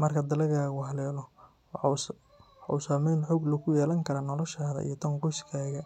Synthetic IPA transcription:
mɐrkʰɐd̪ɐlɐɣaːɣʊɦɐlɛːlɔ | usaːmɛjnħɔɡlɐɣʰʊjɛːlɐŋkʰɐɾɐnɔlɔʃaːðɐ̰ʔḭjɔt̪ʰɐŋqʊskʰaːɣɐ

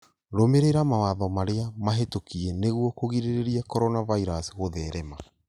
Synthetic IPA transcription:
ɾomeɾeɾamawaðɔmaɾeamaɦetokieneɣuɔkoɣiɾeɾeɾiakɔɾɔnavaiɾasɣoðɛːɾɛma

